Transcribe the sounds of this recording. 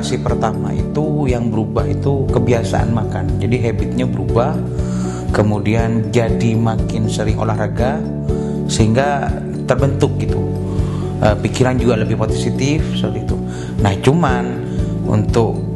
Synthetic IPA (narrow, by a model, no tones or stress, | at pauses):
ksipərt̪ama̰ʔḭt̪ujaŋbəɾubaɦit̪ukəbiasa̰ʔa̰nmakand͡ʒadiɦabɪt̪̚ɲabəɾubah | kəmudiand͡ʒadimakɪnsəɾɪŋʔo̰lahraɡa | səhiŋɡa | t̪ərbənt̪ʊk̚ɡit̪u | ʔəpikiɾand͡ʒuɡaləbɪhpot̪ɛsit̪ɪfsət̪it̪u | naht͡ʃuman | ṵnt̪ʊk